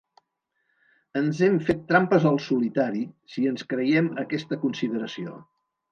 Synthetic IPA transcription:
ənzɛmfet̪ːɾampəzəlˠsulit̪aɾisiənskɾəjɛməkɛst̪əkunsiðəɾəsio̰

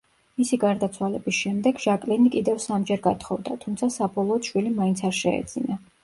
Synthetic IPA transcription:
misiɡaɾd̪at̪sʰwalɛbisʃɛmd̪ɛɡʒ̥akʼlɛnikʼid̪ɛvsamd͡ʒɛɾɡat̪ʰχɔvd̪at̪ʰumt̪sʰasabɔlˠɔːt̪ʃwilimaint̪sʰaɾʃɛɛ̰d̪z̥ina

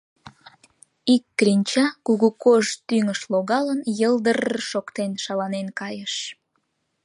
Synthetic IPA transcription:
ikːrinʲt͡ɕɑkuɣukoʒt̪yŋəʃloɣɑlənjəld̪ərʃokt̪enʃɑlɑnenkɑjəʃ

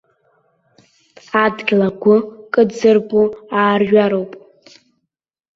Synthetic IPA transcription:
adɡʲlaɡʷʊkʼɨdd͡zɨrbʼuaːrʒᶣaɾowpʼ

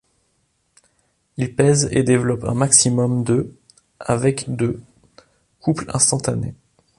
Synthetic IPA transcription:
ilpɛzḛd̪evlɔpɛ̰̃maksimɔmd̪ə | avɛkd̪ə | kuplɛ̰̃st̪ɑ̃t̪anḛ

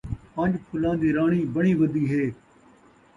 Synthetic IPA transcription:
pə̃ɲd͡ʒpʰʊlãːd̪iːɾaːɳ̃iːbəɽ̃iːʋəd̪iːɦeː

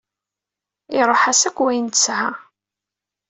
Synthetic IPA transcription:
ɪɾˤoħasækʷːwæjənt̪əshæ

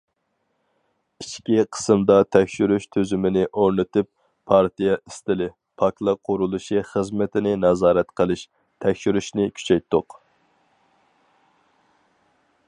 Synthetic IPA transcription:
iʃkʲiqʰə̥sɨmd̪ɑt̪ʰɛkʲʃyɾyʃt̪ʰøzymɪnɪʔoɾnɨt̪ʰɪp | pʰːɑɾt̪ijɛʔist̪ɪlɪ | pʰɑklˠɑqʰʊɾulˠuʃiχəzmɪt̪ʰɪnɪnɑzɑːɾɛt̪qʰəlˠɪʃ | t̪ʰɛkʲʃyɾyʃnɪkʲʰy̥t͡ʃʰɛjt̪ʰːʊq

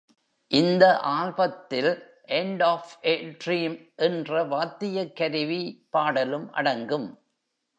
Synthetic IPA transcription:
ʔɪnd̪ɐʔaːɻbɐt̪ːɪl | ʔɛɳɖaːfʔeʈɾiːmʔɛndrɐʋaːt̪ːɪjɐkːɐɾɪʋipaːɽɐlɯmʔɐ̰ɽɐŋɡɯm

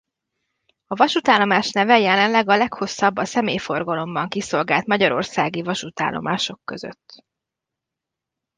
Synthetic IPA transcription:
ɒvɒʃut̪aːlːo̞maːʃnɛvɛjɛlɛnlɛɡɒlɛkho̞sːɒbːɒsɛmeːjfo̞rɡɒlo̞mbɒŋkiso̞lɡaːlt̪mɒɟɒɾo̞̰rsaːɡivɒʃut̪a̰ːlʔo̞̰mʔa̰ːʃo̞kːø̞zø̰t̪ː

